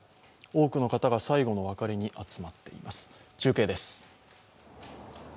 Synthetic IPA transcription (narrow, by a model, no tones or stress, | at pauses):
o̞ːkɯ̟no̞kat̪aɡasaiɡo̞no̞βakaɾʲiɲ̟iʔat͡sɨ̥mat̪ːe̞̰ḭmasɨ̥t͡ɕɨːke̞ːd̪e̞sɨ̥